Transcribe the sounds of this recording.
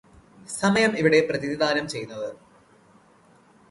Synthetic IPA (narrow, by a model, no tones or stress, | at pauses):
sɐmɐjɐmiʋiɽe̞prɐðiðid̪aːnɐmt͡ɕe̞jːunːɐðɨ